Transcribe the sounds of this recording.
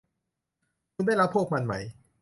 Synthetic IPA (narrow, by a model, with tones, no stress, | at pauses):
kʰu˧nda˥˩jɾa˦˥pʰːu˥˩k̚ma˧nma˦˥j